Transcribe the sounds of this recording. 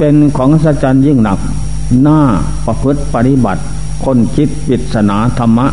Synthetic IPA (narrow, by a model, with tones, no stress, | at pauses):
pe˧nkʰɔː˩˦ŋʔsa˧t͡ɕaː˧njɯ˧˩ŋna˨˩k̚ | naː˥˩ | pa˧pʰɯ˦˥t̪̚pa˧t̪i˧˥˨ba̰˨˩t̪̚ | kʰo˧˥˨nkʰi˦˥t̪̚pi˨˩t̪̚sa˧naː˩˦t̪ʰa˧mːa˦˥ʔ